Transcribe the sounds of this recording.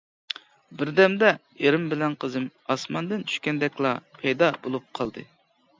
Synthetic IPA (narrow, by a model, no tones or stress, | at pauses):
bɪɾd̪ɛmd̪ɛ | eɾɪmbɪlɛnqʰəzɨmɑsmɑnd̪ɨnt͡ʃʰy̥ʃkʲɛnd̪ɛkʲlˠɑpʰɛjd̪ɑbolˠup̚qʰɑlˠd̪ɨ